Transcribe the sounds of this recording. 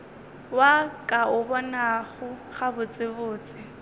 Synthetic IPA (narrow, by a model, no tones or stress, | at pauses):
wakʼaʊbɔnaχʊχabʊt͡sʼɪbʊːt͡sʼɪ